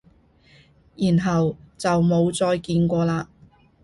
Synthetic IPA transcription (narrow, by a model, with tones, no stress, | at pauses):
jiː˨˩nɦɐ˨wt͡sɐ˨wmo˨˧wt͡sɔː˧jkiː˧nkʷɔː˧laː˧